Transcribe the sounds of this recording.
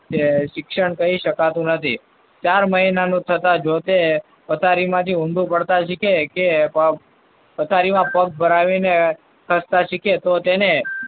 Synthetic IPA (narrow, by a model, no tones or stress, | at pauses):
t͡ʃeʃɪkʃəɳkəɦiʃəkat̪ũnət̪ʰḭ | t͡ʃaɾməɦinanũt̪ʰət̪ad͡ʒot̪e | pət̪ʰaɾimãt̪ʰiũnd̪ʱũpəɽt̪aʃɪkʰekepə | pət̪ʰaɾimãpək̚bʱəɾaʋine | kʰəst̪aʃɪkʰet̪ot̪ene